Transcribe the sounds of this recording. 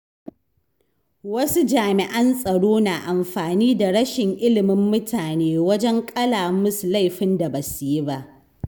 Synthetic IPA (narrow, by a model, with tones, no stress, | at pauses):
wɐ˦su˦d͡ʒaː˨mɪ˨ʔɐ˦nsʼɐ˨ɽoː˦naː˨ʔa˨mɸaː˨niː˦da˨ɽɐ˦ʃɪ˨ŋʔɪ˦lɪ˨mɪ˦mːʊ˦tʰaː˨neː˦wɐ˦d͡ʒɛ˦ŋkʼɐ˦laː˨mʊ˦su˨la˦˨jɸɪ˦nda˨ba˨su˨ji˦ba˦ʔ